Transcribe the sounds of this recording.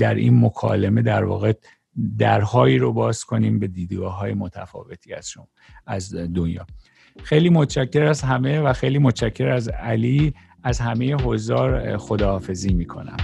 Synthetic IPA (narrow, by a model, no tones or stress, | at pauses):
d̪æɾḭːnmo̞kʰɒ̰ːleme̞d̪æɾvɒ̰ːɣe | d̪æɾhɒːiːɾobɒːz̥kʰo̞niːmbe̞d̪iːd̪ɡɒːɦɒːjemo̞t̪ʰæ̰fɒ̰ːve̞t̪ʰiːæ̰z̥ʃo | æzd̪onjɒ̰ː | xejliːmot̪t͡ʃʰæcʰːe̞ɾæzɦæme̞væxejliːmot̪t͡ʃʰæcʰːe̞ɾæzæliː | æzhæmejeɦozɒːɾxo̞d̪ɒːfe̞ziːmiːkʰo̞̰næ̰m